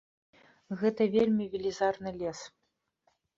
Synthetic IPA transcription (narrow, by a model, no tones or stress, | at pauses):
ɣɛt̪ɐvʲelʲmʲivʲilʲizarnɨlʲɛs